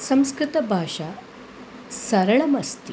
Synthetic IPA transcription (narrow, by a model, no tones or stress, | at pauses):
sɐmskɾɪt̪ɐbʱaːʂa | sɐɾɐɭɐmɐst̪i